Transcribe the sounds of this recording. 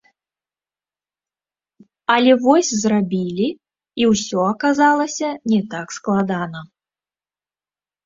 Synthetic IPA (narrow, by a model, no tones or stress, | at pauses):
ɐlʲɛvɔsʲzrabʲilʲi | iwsʲɔɐkazalˠɐsʲɐnʲɛt̪aksklˠad̪anɐ